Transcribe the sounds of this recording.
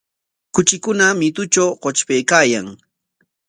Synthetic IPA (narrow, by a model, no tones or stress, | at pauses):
kʊt͡ʃɪkʊnamɪt̪ʊt͡ʃawqot͡ʃpejkaːjaŋ